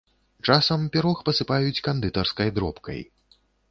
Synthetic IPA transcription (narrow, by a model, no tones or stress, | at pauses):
t͡ʂasɐmpʲɛɾɔxpɐsɨpajut͡sʲkand̪ɨt̪ɐrskɐjd̪ɾɔpkɐ̰j